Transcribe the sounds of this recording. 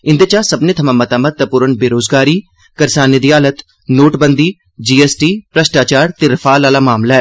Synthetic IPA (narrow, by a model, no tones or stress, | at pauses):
ɪ̃nd̪eːt͡ʃaːsəbneːt̪ʰəmãːmət̪aːmət̪̚t̪apuːɾənbeːɾoːzɡaːɾiː | kəɾsaːned̪iːaːlət̪ | noːʈbənd̪iː | d͡ʒiːɛːsʈiːpɾəsʈaːt͡ʃaːɾt̪eːɾɪfʰaːlaːlaːmaːmlaːɦɛː